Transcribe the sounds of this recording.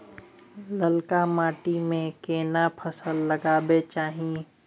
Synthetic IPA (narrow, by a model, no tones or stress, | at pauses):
ləlkamaːʈimẽkeːnapʰəsəlːəɡaːbet͡ʃaːɦĩ